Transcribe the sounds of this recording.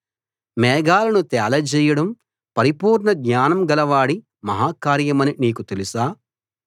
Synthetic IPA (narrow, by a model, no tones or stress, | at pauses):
mɛːɡaːlɐnut̪ɛːlɐd͡ʒɛːjɐɽɐm | pɐɾipuːɾɳɐɡɲaːnɐmɡɐlɐʋaːɽi | mɐɦaːkaːɾjɐmɐniniːkut̪e̞lisaː